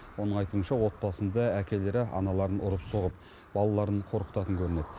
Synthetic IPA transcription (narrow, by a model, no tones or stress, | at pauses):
wo̞nəɴɑjt̪uənʃɑwo̞t̪̚bɑsənd̪ɑækʲe̞le̞ɾɪʔɑ̰nɑlˠɑɾənʔʊɾəpso̞ʁəp̚ | b̥ɑlˠɑlˠɑɾəɴqʰo̞ɾqə̥t̪ɑt̪əŋkʲʰɵɾɪne̞d̪ɪ